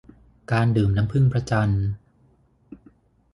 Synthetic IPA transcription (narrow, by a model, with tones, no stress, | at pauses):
kaː˧ndɯː˨˩mna˦˥ŋpʰɯ˥˩ŋpʰɾa˧˥t͡ɕa˧n